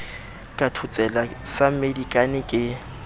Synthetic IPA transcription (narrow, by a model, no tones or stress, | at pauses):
kʼatʰʊt͡sʼɛlasamedikʼanɪkʼɪ